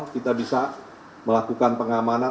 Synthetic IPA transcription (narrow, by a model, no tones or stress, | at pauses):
kit̪abisa | məlakukanpəŋamana